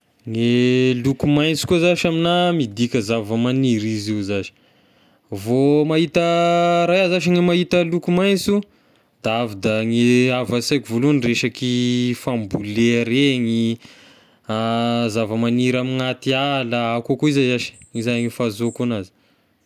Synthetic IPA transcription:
ŋelukumajnt͡si̥kuzaʃaminamid̪ikʲəzavəmaniɾiziwzaʃi̥ | vomaɦit̪əɾajazaʃiŋemaɦit̪əlukumajnt͡su | d̪̥aavid̪aŋeavasajkʲuvolunreʃakifambuleɾeŋi | azavəmaniɾamiŋat̪ialaakakuizaaʃi̥ŋizaŋifazokonazi̥

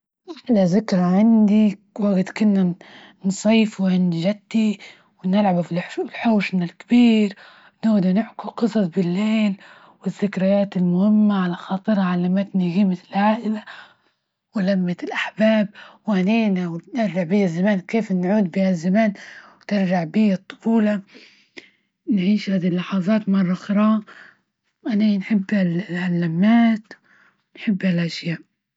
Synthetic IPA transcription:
ɪlazakɾˤɑʕand̪iwaɡɪt̪kʊnːa | nsˤiːfwɪnʒad̪ːi | wɪnɪlʕabflħoːʃnalkabiːɾ | nʊɣd̪anɪʕkuqɨsˤɑsˤbɪlːeːl | wɪzːɪkɾajaːt̪ɪlmʊhɪmːaʕalaxɑːt̪ˤɨɾʕalamaːt̪niɣiːmaɪlʕaːʔɪla | wɪlamːat̪ɪlʔaħbaːb̚wʔaniːnawnɪɾd͡ʒaʕbihazːamaːnkeːfnʕuːd̪̚bihazːamaːnwt̪ɪɾd͡ʒaʕbiːɨt̪ˤːʊ̥fuːlɑ | nʕiːʃhaːd̪ilːɑħɑðˤɑːt̪mɑrˤːɑxɾˤɑː | ʔananħɪbːhalʕalːamːaːt̪ | wnħɪbːhalʔaʃjaːʔ

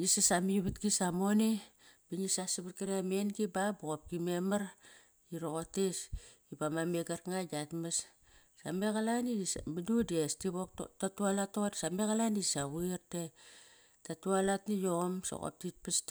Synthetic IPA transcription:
nisasamijuβatɡisamoni | biɲisasiβut̚kaɾamenɡibabuɣop̚kimemaɾ | iɾokotesibamameɡaɾŋaɡatmas | sa̰mekalanidismidudestiβottatualatodsameɣalanisawirte | tatualatnijomso̰ɣo̰p̚tit̚pist

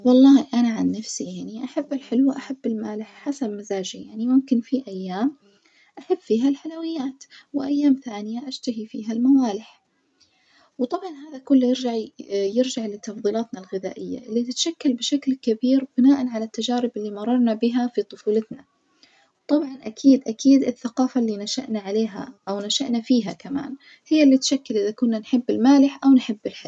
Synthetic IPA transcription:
wɑlˤːɑːʔanaʕanːafsijaʕniʔaħabːɪlħɪlwʔaħabːɪlmaːlɪħħasabmazaːd͡ʒijaʕnimʊmkɪnfiʔajːaːm | ʔaħabːfiːɦalħalawɪjːaːt̪wɪʔajːaːmθaːnɪjaʔaʃt̪aɦifiːɦalmawaːlɪħ | wt̪ˤɑbʕɑnɦaːðakʊlːjɪɾd͡ʒaʕjɪɾd͡ʒaʕlɪt̪ːɑfðˤiːlaːt̪nalɣɪða̰ːʔɪjːa̰ʔɪlːit̪ɪt̪ʃakːalbɪʃaklkabiːɾb̥ɪnaːʔanʕalat̪ːad͡ʒaːɾɪbɪlːimɑrˤːɑɾˤnabɪɦafit̪ˤʊfuːlat̪na | wt̪ˤɑbʕɑnʔakʰiːd̪ʔakʰiːd̪ɪθːaqɑːfalːinaʃa̰ʔnaʕaleːɦa̰ʔawnaʃaʔnafiːɦakama̰ːn | hɪjːalːit̪ʃakːɪlʔɪðakʊnːanħɪbːɪlmaːlɪħʔawnħɪbːɪlħɪl

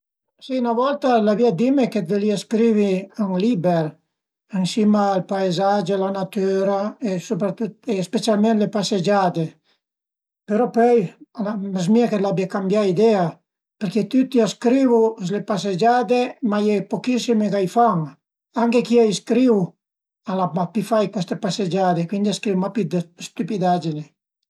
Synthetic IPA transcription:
sinavɔlt̪alaviad̪imeket̪̚veliaskɾiviaŋlibeɾ | eŋsimaːlpaezad͡ʒelanat̪yɾaesopɾat̪ut̪espet͡sjalmẽnlepased͡ʒad̪e | peɾɔpœjlamaz̬miaket̪labiakambjaid̪ɛa | peɾket̪yt̪ːiaskɾivuslepas̬ed͡ʒad̪emajɛpokisimekajfaŋ | aŋkekiajskɾiw | alaapifajkwɛst̪epased͡ʒad̪ekwind̪iaskɾiwmapid̪st̪ypid̪ad͡ʒine

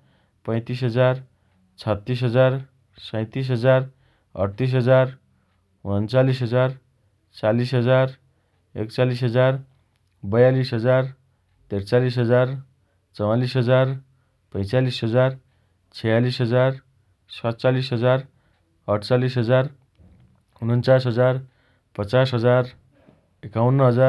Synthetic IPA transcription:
pʌ̃j̃t̪isɦʌd͡zar | t͡sʰʌt̪ːis̬ɦʌd͡zar | sʌ̃j̃t̪is̬ɦʌd͡zar | ʌ̰ɽt̪is̬ɦʌd͡zar | unʌnt͡salisɦʌd͡zar | t͡salisɦʌd͡zar | ḛkt͡salisɦʌd͡zar | bʌjalisɦʌd͡zar | t̪ert͡salisɦʌd͡zar | t͡sʌwalisɦʌd͡zar | pʌjt͡salisɦʌd͡zar | t͡sʰʌjalisɦʌd͡zar | sʌt͡salisɦʌd͡zar | ʌʈt͡salisɦʌd͡zar | unʌnt͡sasɦʌd͡zar | pʌt͡sasɦʌd͡zar | ekawnːʌɦʌd͡za

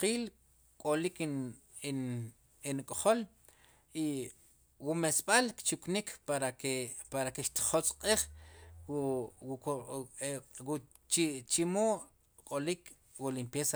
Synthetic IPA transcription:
qiːl | kʼolik | inkʼχol | i | wumesɓalkt͡ʃuknikʰpaɾaepaɾakeʃt̪i̥χot͡sʼqʼiχ | wu | t͡ʃt͡ʃimoːʔ | kʼolik | wulimpjesa

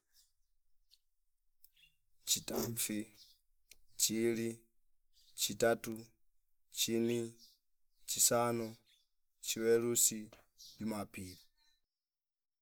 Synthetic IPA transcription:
t͡ʃitaɱfi | t͡ʃili | t͡ʃitatu | t͡ʃini | t͡ʃisanɔ | t͡ʃiwɛlusi | dimapili

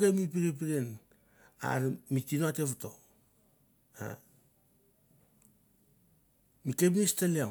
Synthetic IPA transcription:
ɡemip̬iɾep̬iɾen | a̰ɾmitinoateβuto | a̰ | mikepnistalia

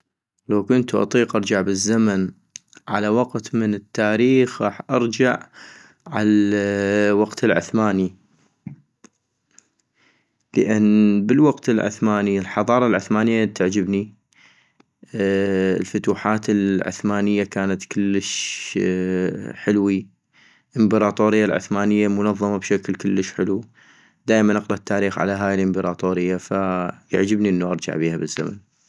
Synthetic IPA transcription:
lawkʊnt̪uʔɑ̰t̪ˤiːqʔɑɾˤd͡ʒaʕbəzːaman | ʕa̰lawaɡt̪mənɪt̪ːaːɾiːxɣɑːħʔɑɾˤd͡ʒaʕ | ʕal | waqt̪ɪlʕʊ̰θmaːni | ləʔɪnːbəlwaqt̪ɪlʕʊ̰θmaːnilħɑðˤɑːɾˤɑlʕʊθmaːnɪjːat̪ːaʕd͡ʒɪbni | lfat̪uːħaːt̪ɪlʕʊ̰θmaːnɪjːakaːnat̪kʊlːəʃ | ħɪlwi | ʔɪmbɪɾˤɑːt̪ˤoːɾɪjːalʕʊ̰θmaːnɪjːalmʊnɑðˤːɑmabʃaklkʊlːəʃħɪlu | d̪aːʔmanʔɑqlɑt̪ʰːaːɾiːxʕa̰laɦaːjɪlʔɪmbɪɾˤɑ̰ːt̪ˤoːɾɪjːafaja̰ʕd͡ʒɪbniʔənːaʔɑɾˤd͡ʒa̰ʕbiːhabəzːa̰ma̰n

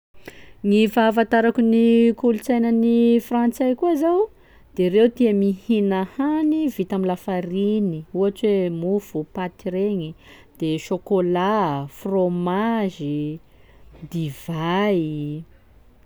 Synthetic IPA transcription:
ŋifafant̪aɾakunikulut͡sajnənifrant͡sajkuazaw | d̪̥eɾewt̪iamihinahanivit̪amilafaɾiniuaʈ͡ʂwemufupat̪iɾeɲi | d̪̥eʃokolafromaʒi | d̪iva

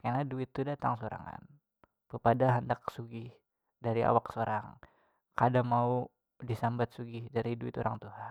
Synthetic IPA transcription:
karnaduɪt̪ːudat̪a̰ŋsoɾa̰ŋa̰n | pəpadaɦandak̚suɡɪh | daɾia̰waksoɾʔaŋ | kadamau | disambat̪̚suɡɪhdaɾiduɪt̪oɾaŋt̪uɦa

